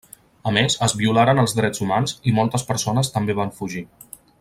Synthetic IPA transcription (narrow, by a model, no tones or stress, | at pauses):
əmezəzβiulaɾənəlˠzðɾɛd͡zumanzimɔlˠt̪əspəɾsonəst̪əmbeβ̞aɱfuʒi